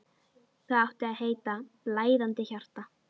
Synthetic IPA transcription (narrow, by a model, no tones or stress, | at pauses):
θaðawht̪ɪaðhɦeːjt̪a | laːjðant̪ɪçar̥t̪a